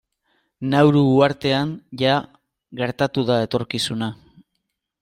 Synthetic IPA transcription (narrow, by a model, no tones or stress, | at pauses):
nawɾuːaɾt̪e̞anʝa | ɣe̞ɾt̪at̪uðae̞t̪o̞ɾkisuna